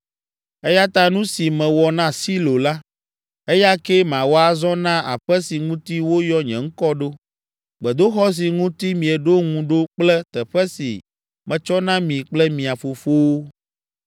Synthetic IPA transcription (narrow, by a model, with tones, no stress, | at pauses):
ɛ˦ja˦t̪ã˦nũ˦si˨mɛ̃˨wɔ˨nã˦si˦lo˨la˦ | ɛ˦ja˦kɛ˦mã˨wo˦a˦zɔ̃˦nã˦ʔa̰˨ɸɛ˦si˨ŋũ˦t̪i˦wo˦jɔ˦ɲɛ̃˨ŋ̩˦kɔ˦ɖo˦ | ɡ͡bɛ˨d̪o˦xɔ˦s̬i˨ŋũ˦t̪i˦mĩ˨ɛ˨ɖo˦ŋũ˨ɖo˦k͡plɛ˦t̪ɛ˨ɸɛ˦sḭ˨ | mɛ̃˨t͡ʃɔ˦nã˦mĩ˨k͡plɛ˦mĩ˨a˨fo˨fo˦wo˦